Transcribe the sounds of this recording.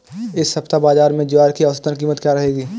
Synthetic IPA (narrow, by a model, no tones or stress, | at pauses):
ɪshɐpt̪abaːzaːɾmẽd͡ʒʊaːɾkiɐʋəst̪ənkiːmət̪kjaɾɐɦeːɡiː